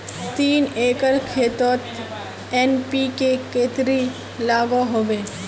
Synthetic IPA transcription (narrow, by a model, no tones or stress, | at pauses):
t̪iːneːkəɾkʰeːt̪oːt̪ | eːnpikekeːt̪ɾi | laːɡoɦoːʋeː